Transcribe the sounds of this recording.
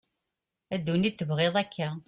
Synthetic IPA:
æd̪ːunit̪ːəvʁeðˤækʰːæ

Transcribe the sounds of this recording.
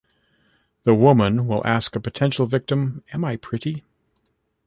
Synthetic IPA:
ðəwʊmə̃nwɪ̰lˠʔæskɨpɨtʰɛ̃nʃl̩ˠvɪk̚tɨ̃mɨ̃maɪpʰɹ̥ɪɾi

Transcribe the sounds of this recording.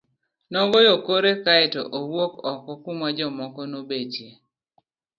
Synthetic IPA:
nɔɡɔjokoɾekaɛtɔ̰ʔowokɔkɔkumad͡ʒɔmɔkɔnobed͡ʒje

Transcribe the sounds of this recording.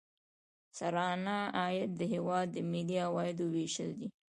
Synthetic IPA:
saɾɑnaːjat̪̚d̪əɦewɑd̪ːəmed̪ijɑwɑjɪd̪oweʃəld̪i

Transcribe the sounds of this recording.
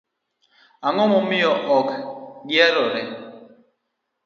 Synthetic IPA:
aŋɔmɔmiɔʔɔkɡiaɾɔɾɛ

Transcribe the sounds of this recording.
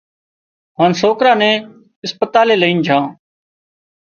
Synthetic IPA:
ɦaːnsoːkɾãːnɛ̃ː | ɪspət̪aːleːləĩːnd͡ʒʱãː

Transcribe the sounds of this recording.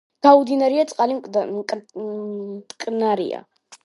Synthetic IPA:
ɡ̥aud̪inaɾiat̪sʼqʼalikʼ | t̪ʰkʼnaɾḭa̰

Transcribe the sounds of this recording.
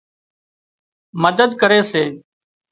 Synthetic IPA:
məd̪əd̪kəɾeːseː

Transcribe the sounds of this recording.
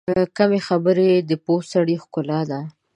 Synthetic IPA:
kamexabəɾed̪əposaɽixkʊlɑd̪a

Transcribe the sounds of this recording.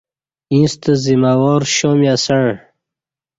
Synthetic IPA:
ĩst̪əzimawɔːɾɕomiasəɳ

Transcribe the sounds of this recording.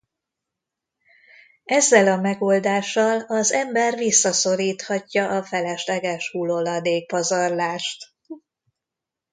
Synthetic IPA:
ɛzːɛlɒmɛɡoːld̪aːʃːɒlɒzɛmbɛrvisːɒso̞ɾiːt̪hɒcːɒʔɒfɛlɛʃlɛɡɛʃhulolɒd̪eːk̚pɒzɒrlaːʃt̪

